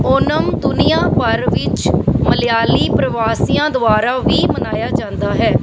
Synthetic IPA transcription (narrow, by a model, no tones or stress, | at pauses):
oːnəmd̪ʊnɪjãːpəɾʋɪt͡ʃməlɪjaːliːpɾəʋaːsijãːd̪ʊaːɾaːʋiːmənaːjaːd͡ʒãːnd̪aːɦɛː